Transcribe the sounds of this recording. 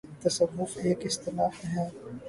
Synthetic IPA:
t̪ɐsɐʋːʊfeːkɪst̪ɪnaːhɦɛ̃ː

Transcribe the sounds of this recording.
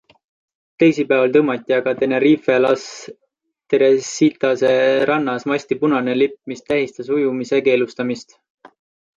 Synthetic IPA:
t̪e̞jsipæːvɑlt̪ɤmɑt̪ʲːˑiɑɡ̥ɑt̪e̞neɾifelɑs | t̪eɾesit̪ɑse̞ɾʔɑnːɑsmɑsʲt̪ipunɑnelipmist̪ːæɦist̪ɑsujumise̞ke̞ːlust̪ɑmist̪

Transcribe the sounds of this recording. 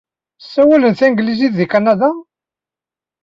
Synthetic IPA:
sːæwælənθæŋɡəliziððikænæðæ

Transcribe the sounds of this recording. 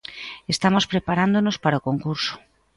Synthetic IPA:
est̪amospɾepaɾand̪onospaɾaokoŋkuɾso̥

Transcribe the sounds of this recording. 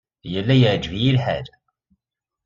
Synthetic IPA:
jəlːæjəʕd͡ʒvijilħa̰l

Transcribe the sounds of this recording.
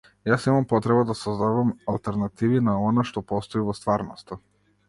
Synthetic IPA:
jasnimampɔt̪ɾɛbad̪asɔzd̪adamalˠt̪ɛɾnat̪ivinaɔnaʃt̪ɔpɔst̪ɔivɔst̪vaɾnɔst̪a

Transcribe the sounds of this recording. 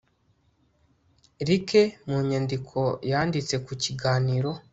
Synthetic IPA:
ɾikemuɲandikʰo̞jaːndit͡se̞kuciɡaːniɾo̞

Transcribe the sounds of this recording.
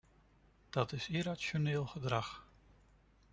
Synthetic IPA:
d̥ɑtɪsiɾasjonɪːlˠχədrax

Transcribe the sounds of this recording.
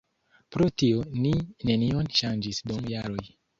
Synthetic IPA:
pɾotionine̞nio̞nʃand͡ʒisdomjaɾo̞j

